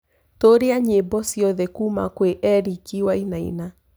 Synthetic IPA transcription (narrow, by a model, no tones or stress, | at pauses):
toɾeaɲebɔsjɔðɛkuma̰kweʔɛɾikiwainaḭna